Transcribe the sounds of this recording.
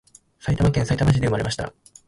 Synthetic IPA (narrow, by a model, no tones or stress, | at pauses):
sait̪amakẽɰ̃sait̪amaɕ̬id̪e̞ɯ̟maɾe̞maɕi̥t̪a̰